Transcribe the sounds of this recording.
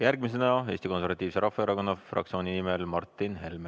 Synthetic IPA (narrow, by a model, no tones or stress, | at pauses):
jærɡ̥mise̞nɑe̞ːst̪iko̞nseɾvɑt̪ːˑiːvse̞ɾʔɑfːɑeɾɑko̞nːɑfrɑ̰kt̪sio̞ːninimelmɑrt̪ːˑinɦe̞lme